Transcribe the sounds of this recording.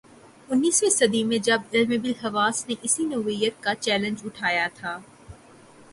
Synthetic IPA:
ʊnːiːsʋesɐd̪imẽd͡ʒɐbɪlmebɪlɦɐʋaːsneʔɪsinoʋijət̪̚kat͡ʃɛːlə̃nd͡ʒʊʈʰaːjat̪ʰaː

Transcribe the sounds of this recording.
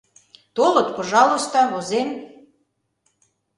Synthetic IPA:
t̪olɤ̆t̪poʒɑlˠost̪ɑβozem

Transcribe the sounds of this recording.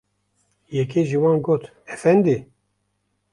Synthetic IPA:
jɛk̬eːʒiwɑːnɡoːt̪ | ɛfɛnd̪i

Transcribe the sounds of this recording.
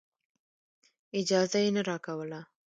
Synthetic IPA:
ɪd͡ʒɑːzajenɐɾaːkawəla

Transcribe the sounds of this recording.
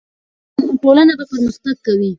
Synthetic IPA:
ʈolanabapəɾmʊsbat̪̚kawi

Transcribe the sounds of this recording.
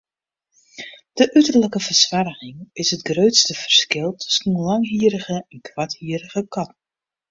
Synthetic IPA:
d̥əʔytərləkəvərsʋarəɣɪŋɪsətɡrøːtstəv̥ərskɪlˠtʰːʏ̥sən̩lɑŋɦiəɾəɣəɛnkʰwathiəɾəɣəkʰɑt̚

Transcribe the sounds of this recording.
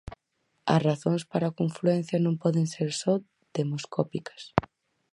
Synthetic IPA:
ɐ̰sraθõŋspaɾakõɱfluɛn̟θjɐnõmpɔðeŋseɾsɔ | d̪emoskɔpikɐ̥s

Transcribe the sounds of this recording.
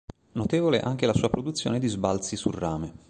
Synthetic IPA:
not̪eːvolḛʔaŋk̟elasuːapɾod̪ut̪sːjo̰ːned̪izbalt̪sisurːaːme

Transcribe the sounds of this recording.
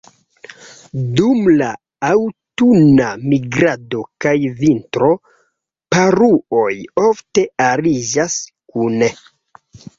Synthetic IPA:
dumla | awtunamiɡɾado̞kajvintɾo̞ | paɾuo̞jo̞fte̞aɾid͡ʒas | kune

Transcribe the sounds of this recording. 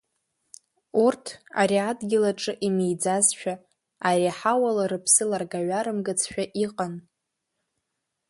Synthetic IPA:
urtʰa̰ɾiadɡʲɪlaʈ͡ʂʼɨʔimejd͡zazʃᶣa | aɾiħawalaɾɨpʰsɨlarɡaɥaɾɨmɡat͡sʰʃᶣaʔiqʼan

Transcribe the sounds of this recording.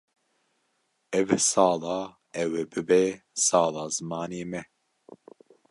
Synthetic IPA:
ɛvsɑːlɑː | ɛwɛbɨbɛ | sɑːlɑːzɨmɑːneːmɛ

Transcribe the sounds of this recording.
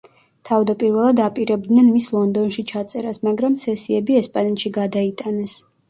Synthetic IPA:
t̪ʰavd̪apʼiɾvɛlˠad̪apʼiɾɛb̚d̪nɛnmislˠɔnd̪ɔnʃit͡ʃʰat̪sʼɛɾasmaɡɾamsɛsiɛbiɛspʼanɛt̪ʃiɡad̪ait̪ʼanɛs

